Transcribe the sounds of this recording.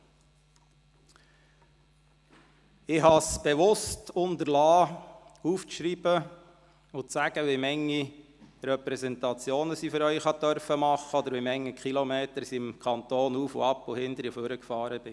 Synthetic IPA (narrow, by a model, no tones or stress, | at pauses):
ɪhɑsb̥ɛʋʊstʊnt̪əɾlɑː | uːft͡sʃɾib̥ə | ʊt͡sæɡ̥əʋemɛŋːi | ɾɛpɾɛsɛnt̪ɑt͡sjoːnəsifʏɾœʏχhɑt̪œɾfəmɑχəɔd̪əɾʋimɛŋːikχilɔmeːtəɾsiɪmkʰɑnt̪oːnuːfo̰ɑpːʊhɪnd̥̪əɾəføɾəkfɑːɾəb̥ɪ